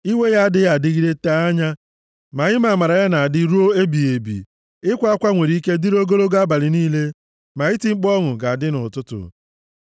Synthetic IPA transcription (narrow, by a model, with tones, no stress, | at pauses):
i˦we˦ja˦a˦dɪ˦ja˦˨dɪ˦ɣi˦ɾe˦ta˦a˦ɲa˦ | ma˨ɣɪ˦ma˨ma˨ɾa˨ja˦na˨a˨dɪ˦ɾu˦o˦e˦bi˨e˨bḭ˨ | ɪ˦kʷa˦a˦kʷa˦ŋʷe˨ɾi˦i˦ke˦di˦ɾo˦ɡo˦lo˦ɡa˦ba˨lɪ˨niː˦le˦ | ma˨ɪ˦ti˨ŋ͡m̩˦k͡pɔ˦ŋʊ˨ɡa˨a˨dɪ˦nʊ˨tʊ˦tʊ̰˨